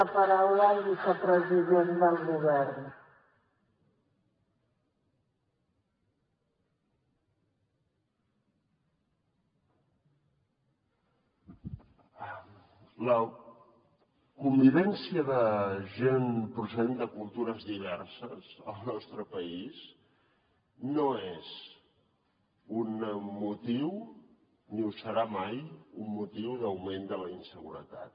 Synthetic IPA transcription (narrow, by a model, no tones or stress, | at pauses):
pəɾawləːlˠβisəpɾəziðend̪əlˠɣuβɛrn | lə | kumbiβ̞ɛnsiəðəʒenpɾusəðend̪əkulˠt̪uɾəzðiβ̞ɛrsəzəlˠnɔst̪ɾəpəis | noez | unmut̪iw | niusəɾamajumːut̪iwðəwmend̪ələinsəɣṵɾə̰t̪a̰t̪̚